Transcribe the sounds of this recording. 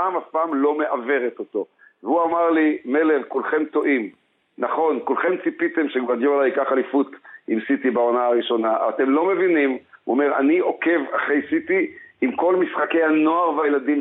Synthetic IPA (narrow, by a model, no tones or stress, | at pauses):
aːmhafpaːmlo̞me̞ʔave̞ʁet̪ot̪o̞ | veuamaʁlime̞leχkulχe̞mt̪o̞ʔim | naχo̞nkulχe̞mt͡sipit̪e̞mʃeɡvad̪jolajikaχalifut̪imsit̪ibaonaaʁiʃo̞naʔa̰t̪e̞mlo̞me̞vinimṵome̞ʁa̰nio̞ke̞vaχejsit̪iimko̞lmisχake̞jhano̞aʁvajelad̪im